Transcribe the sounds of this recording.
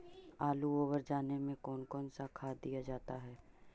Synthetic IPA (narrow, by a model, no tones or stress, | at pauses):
aːluoːʋəɾd͡ʒaːnemẽkɔːnkɔːnsakʰaːd̪ːijad͡ʒaːt̪aɦɛː